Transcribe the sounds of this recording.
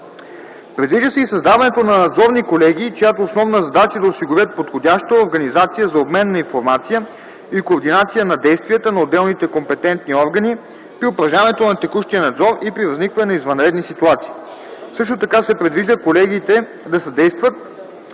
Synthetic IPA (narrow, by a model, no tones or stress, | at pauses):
pɾɛd̪viʒd̪əsɛisɐzd̪avɐnɛt̪onɐnɐd̪zɔɾnikolɛɡ̟iːt͡ʃojat̪oːsnɔvnəzɐd̪at͡ʃəd̪ɐosiɡʊɾʲjət̪̚pot̪xodʲaʃt̪əoɾɡɐnizat̪sijəzɐobmɛnːɐinfoɾmat̪sijə | ikoːɾd̪inat̪sijənɐd̪ɛjst̪vijət̪ənɐod̪ːɛlˠnit̪ɛkompɛt̪ɛnt̪niɔɾɡəni | pɾiʊpɾɐʒanɛt̪onɐt̪ɛkuʃt̪ijənɐd̪zɔɾipɾivɐznikvɐnɛnɐizvɐnɾɛd̪nisit̪uat̪si̥ː | sɤʃt̪ot̪ɐkasɛpɾɛd̪viʒd̪əkolɛɡit̪ɛ | d̪ɐsɐd̪ɛjst̪vət̪̚